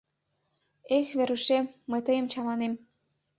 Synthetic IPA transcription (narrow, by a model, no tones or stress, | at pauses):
exβeɾyʃemːəjt̪əjəmt͡ɕɑmɑnem